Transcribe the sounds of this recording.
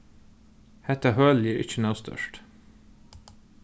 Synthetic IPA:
hɛt̪əhœːljiːɾʔɪ̰çənoːst̪ʰœ̰ʃʈ

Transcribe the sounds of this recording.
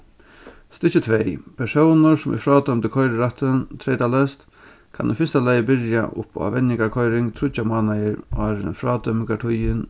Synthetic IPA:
st̪ɪt͡ɕət̪ʰʋeɪpʰɛʂoʊnʊsʊmʔɪ̰fɾɑːd̪œmt̪əkʰɔʏɾəɾat̪ənt̪ʰɾɛɪt̪alɛst̪ | kʰa̰nufɪst̪alæjəbɪɾja̰ʔʊ̰pa̰ʋɛnɪŋɡaɾkʰɔʏɾɪŋt̪ʰɾʊt͡ɕamɑːnajəɾʔɑːɾɪ̰nfɾɑːd̪œməkaʈʰʊjən

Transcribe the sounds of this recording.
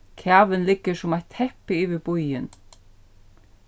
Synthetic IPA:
cʰaːvɪnlɪkːɪ̥sʊmajt̪ʰhɛhpɪivɪpujɪn

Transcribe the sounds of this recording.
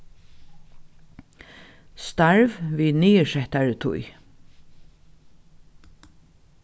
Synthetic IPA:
st̪aɹvviːniːəʂɛht̪aɹət̪ʰʊ̰j

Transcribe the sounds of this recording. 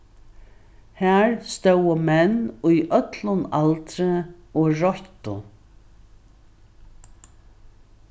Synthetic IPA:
hæːɹst̪œwəmɛnʊjʔœt̪lʊnalt̪ɾɪɔɹɔçt̪ʊ

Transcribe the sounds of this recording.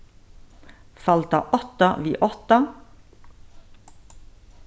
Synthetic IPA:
fɑlt̪ɑ̰ːʔɔt̪ɑʋiːʔɔt̪ɑ

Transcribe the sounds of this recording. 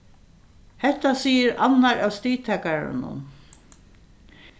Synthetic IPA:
hɛht̪asiːəɾanːaɾæːwst̪iːt̪ʰɛːkaɾa̰nʊ̰n

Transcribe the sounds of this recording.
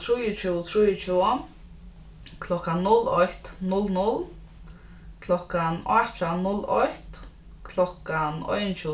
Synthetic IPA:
t̪ʰɾujət͡ʃɪt̪ʰɾuːjət͡ʃʰua | kʰlɔkanːʊlɔjt̪nʊlnʊl | kʰlɔkanɔ̰t͡ʃanʊlːɔ̰jht̪ | kʰlɔkanɔ̰jnt͡ʃʰɪ

